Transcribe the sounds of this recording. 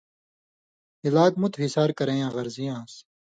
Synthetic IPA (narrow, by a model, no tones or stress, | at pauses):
ilaːkmut̪ʰɦisaːɾkɐɾẽjãːɣɐɾzijãːs